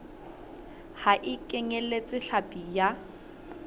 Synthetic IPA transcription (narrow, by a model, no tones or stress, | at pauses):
haʔɪkʼɛŋelet͡sʼɪɬapʼija